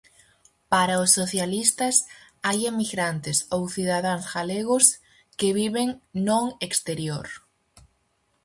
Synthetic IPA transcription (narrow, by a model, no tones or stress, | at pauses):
paɾaʊsːoθjalist̪ɐs | ajemiɣɾant̪ɪsowθiðaðaŋzɣaleɣʊs | keβiβeŋnõŋekst̪eɾjoɾ